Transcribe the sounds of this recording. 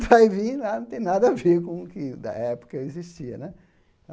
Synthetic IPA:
vajvĩlanɐ̃t̪ẽj̃nad̪ɐaveɾkõʊkɪd̪ɐ̰ɛpʊ̥kɐiziʃt͡ʃiɐ̰nɛ

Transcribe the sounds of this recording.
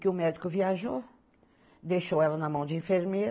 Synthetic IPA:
kɪʊmɛd̪ikʊviaʒo | d̪ejʃowɛlɐnɐmɐ̃w̃d͡ʒ̪ɪĩfeɾmeɾ

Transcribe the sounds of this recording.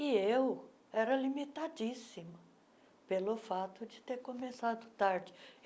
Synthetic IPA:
ɪew | ɛɾɐlimit̪ad͡ʒisimɐ | pelʊfat̪ʊd͡ʒɪt̪eɾkõmesad̪ʊt̪aɾd͡ʒɪ

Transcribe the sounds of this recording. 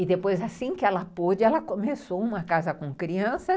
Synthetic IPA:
ɪd̪epojzasĩkɪɛlɐpod͡ʒɪɛlɐkõmesoũmɐkazɐkõkɾiɐ̃sɐ

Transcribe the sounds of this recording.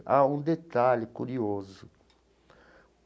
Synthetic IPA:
aũd̪et̪aʎikuɾiozʊ

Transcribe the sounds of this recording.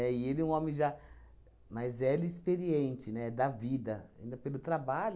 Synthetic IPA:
ɛɪelɪũõmẽʒa | mazɛlɪspeɾiẽnt͡ʃɪnɛd̪ɐvid̪ɐaĩnd̪ɐpelʊt̪ɾabaʎʊ

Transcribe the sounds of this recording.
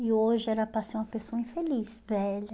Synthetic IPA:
ɪoʒɪɛɾɐpɾasĩumɐpesoɐĩfelisvɛʎɐ

